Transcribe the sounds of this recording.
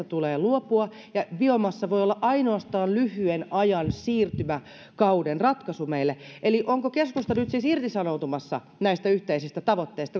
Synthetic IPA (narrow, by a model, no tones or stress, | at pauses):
ɑt̪uleːluopuɑ | jɑʋiomɑsːɑʋoiolːɑʔɑinoɑst̪ɑːnlyhyenɑjɑnsiːrt̪ymæ | kɑudenrɑt̪kɑsumeilːeʔeliʔoŋkokeskust̪ɑnyt̪siːsirt̪isɑnout̪umɑsːɑ̰ | næist̪æyht̪eisist̪æt̪ɑʋot̪ːeist̪ɑ